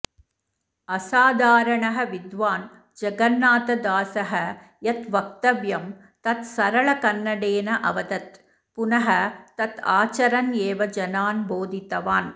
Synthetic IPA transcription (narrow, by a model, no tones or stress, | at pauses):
ɐsaːd̪aːɾɐɳɐɦɐʋɪd̪ʋaːn | d͡ʒɐɡɐnːaːt̪ɐd̪aːsɐɦɐ | jɐt̪ʋɐk̚t̪ɐʋjɐm | t̪ɐt̪sɐɾɐɭɐkɐnːɐɽeːnɐʔɐ̰ʋɐd̪ɐt̪ | pʊnɐɦɐt̪ɐt̪aːt͡ʃɐɾɐneːʋɐd͡ʒɐnaːnboːd̪ʱit̪ːɐʋaːn